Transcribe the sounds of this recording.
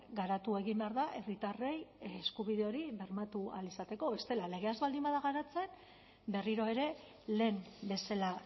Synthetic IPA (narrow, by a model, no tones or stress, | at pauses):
ɡaɾat̪ue̞ɣimbe̞aɾðaʔe̞rit̪are̞jeskuβiðe̞o̞ɾiβe̞ɾmat̪ua̰lisat̪e̞ko̞βe̞st̪e̞lale̞ɣe̞azβald̪imbaðaɣaɾat͡se̞m | be̞riɾo̞e̞ɾe̞ | le̞ːmbe̞sela